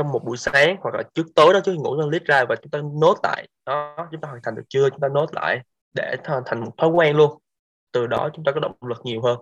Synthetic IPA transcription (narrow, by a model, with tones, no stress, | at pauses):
t͡ɕɔ˧wŋ͡mmo˨˩t̚ɓṵ˧˩jsaː˨˦ŋhwa˨˩k̚laː˨˩t͡ɕɨ˦˥ək̚t̪əː˨˦jɗɔ˨˦t͡ɕːi˧ŋṵ˧˥˧li˦˥t̚zaː˧vaː˨˩t͡ɕʊ˨˦ŋ͡mt̪aː˧no˦˥t̚la̰ː˧˨jɗɔ˨˦t͡ɕʊ˨˦ŋ͡mt̪aː˧wːt̪ʰa˨˩ŋ̟ɗɨ˨˩k̚t͡ɕɨ˧ət͡ɕʊ˨˦ŋ͡mt̪aː˧no˦˥t̚la̰ː˧˨j | ɗe˧˩t̪ʰə˨˩nt̪ʰa˨˩ŋmo˨˩t̚t̪ʰɔː˨˦jkwaː˧nlu˧ən | t̪ɨ˨˩ɗɔ˨˦t͡ɕʊ˨˦ŋ͡mt̪aː˧kɔ˨˦ɗə̰˧˨˩ŋ͡mlɨ˨˩k̚ŋi˨˩əwɦəː˧n